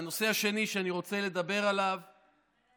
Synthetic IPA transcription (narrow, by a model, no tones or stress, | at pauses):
no̞seaʃe̞niʃeaniʁo̞t͡se̞le̞d̪abe̞ʁalav